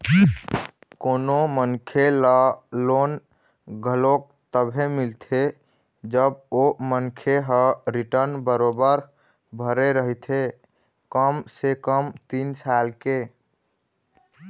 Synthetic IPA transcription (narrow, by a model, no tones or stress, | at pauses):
koːnomənkʰeləlon | ɡʱəlok̚t̪əbʱemilt̪ʰe | d͡ʒəbomənkʰeɦəɾiʈəɾnbəɾobəɾ | bʱəɾeɾəɦit̪ʰe | kəmsekəmt̪insalke